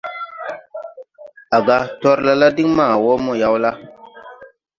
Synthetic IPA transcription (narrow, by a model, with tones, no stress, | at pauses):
a˨ɡa˦tɔ˦ɾla˦la˦di˦ŋmaː˦˨wɔ˦mɔ˦ja˦wla˦